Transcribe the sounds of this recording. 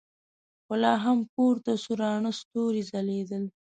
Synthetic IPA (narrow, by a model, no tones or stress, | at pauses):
xʊlɑɦamkoɾt̪asuɾɑɳəst̪oɾizaled̪əl